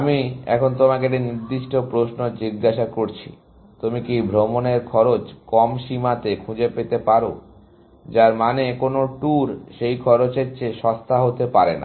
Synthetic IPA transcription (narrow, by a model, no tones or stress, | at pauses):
amiɛ̰kʰont̪omakeʈiniɾd̪iʃʈopɾosnod͡ʑiɡːaʃakoɾt͡ɕʰḭ | t̪umikibʱɾomoneɾkʰɔɾot͡ɕkɔmʃimat̪ekʰud͡ʑepet̪epaɾo̰ | d͡ʑaɾmanekonoʈuɾʃejkʰɔɾot͡ɕeɾt͡ɕʰeʃɔst̪ʰaɦot̪epaɾena̰